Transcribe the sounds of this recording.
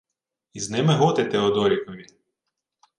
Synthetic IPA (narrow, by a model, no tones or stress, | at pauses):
iznɪmɪɦɔt̪et̪ɛɔd̪ɔɾʲikɔʋʲi